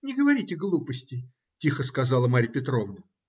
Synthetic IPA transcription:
nʲɪɡəvɐɾʲitʲɪɡlˠupəsʲtʲɪ | tʲixəskɐzɑlˠəmaɾʲpʲɪt̪ɾo̞vnə

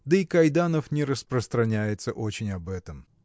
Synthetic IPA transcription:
d̪əikɐjd̪anəfnʲɪɾəspɾəst̪ɾɐnʲæjɪt̪səʔot͡ɕɪnʲɐbɛt̪əm

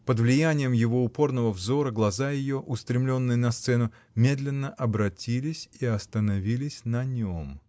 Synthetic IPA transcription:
pəd̪vlʲɪjænʲɪjəmjɪvo̞ʊpo̞rnəvəvzo̞ɾəɡlˠɐzajɪjo̞ʔʊst̪ɾʲɪmlʲo̞nːɨjənɐst̪sɛnʊ | mʲe̞d̪lʲɪnːəʔɐbɾɐtʲilʲɪsʲiɐst̪ənɐvʲilʲɪsʲnɐnʲom

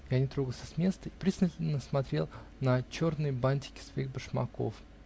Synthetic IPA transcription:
janʲɪt̪ɾo̞ɡəlˠsʲəsmʲe̞st̪əipɾʲiznətʲɪnʲːəsmɐt̪ɾʲe̞lˠnɐt͡ɕo̞rnɨjəbanʲtʲɪ̥kʲɪ̥svɐixbəʂmɐ̰ko̞̰f

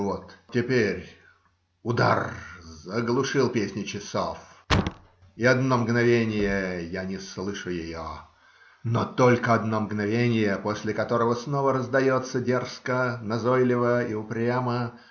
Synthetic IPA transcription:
vot̪tʲɪpʲeɾʲ | ʊd̪a̰rzəɡlˠʊʂɨlˠpʲesʲnʲɪt͡ɕɪsof | iɐd̪nomɡnɐvʲenʲɪjəjanʲɪslˠɨʂʊjɪjo | not̪olʲkəɐd̪nomɡnɐvʲenʲɪjəposʲlʲɪkɐt̪oɾəvəsnovəɾəzd̪ɐjot̪sːədʲerskənɐzojlʲɪvəiʊpɾʲamə

